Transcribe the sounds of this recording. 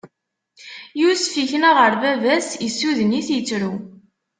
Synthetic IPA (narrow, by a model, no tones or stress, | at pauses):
jusfiçənaʁəɾvævæsisːuðəniθjət͡sːɾu